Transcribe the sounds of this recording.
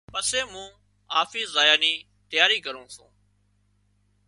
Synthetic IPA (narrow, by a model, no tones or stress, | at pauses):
pəseːmũː | aːfiːzaːjaːniː | t̪əjaːɾiːkəɾõːsṵ̃ː